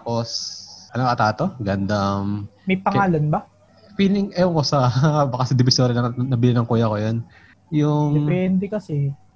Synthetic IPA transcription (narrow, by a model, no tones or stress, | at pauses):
t̪aːposʔɐnoʔɐt̪aːt̪o̞ɡɐnd̪ɐmmɐjpɐŋaːlɐnbɐ | fiːlɪŋʔɐjoŋkosɐbɐkɐsɐd̪ɪbɪsoːɾɐnɐnɐbɪlɪnɐŋkuːjɐkojon | jʊŋɛnd̪ɛkɐsɛ